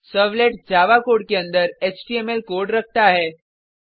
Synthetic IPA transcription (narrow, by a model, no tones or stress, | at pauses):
səʋleʈd͡ʑaʋakoɽkeənd̪əɾet͡ɕʈiemelkoɽɾək̚ʰt̪aɦɛ